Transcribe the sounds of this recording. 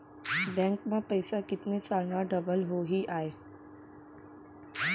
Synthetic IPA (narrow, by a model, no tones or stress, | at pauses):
bɛ̃ŋkmãpəjsakɪt̪net͡salnaɖəbəlɦoɦiːʔae